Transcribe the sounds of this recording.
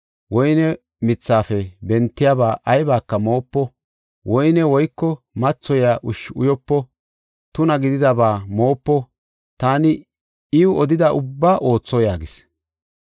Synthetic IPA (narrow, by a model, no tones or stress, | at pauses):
wɔjnɛ | mɪt͡sːaːfɛbɛnt̪ːɪjabaːʔɐjbaːkːɐmo̞ːpːɔ | wʔɔjnɛwɔjkːɔ | mɐt͡sːɔjaʔʊʃʊ̰jɔpːɔ | t̪ʊnɐɡɪd̪ɪd̪ɐbaːmo̞ːpːɔ | t̪aːnɪ | ɪʊɔd̪ɪd̪ɐʔʊbːaːʔo̞ːt͡sːɔjaːɡɪs